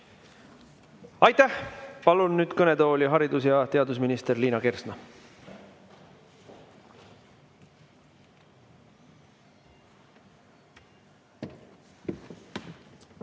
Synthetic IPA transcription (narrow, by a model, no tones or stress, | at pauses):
ɑjt̪æhpɑlunːyːd̪̥kɤne̞t̪o̞ːlʲiɦɑɾid̪̥usjɑt̪e̞ɑd̪usminist̪e̞rliːnɑke̞rsnɑ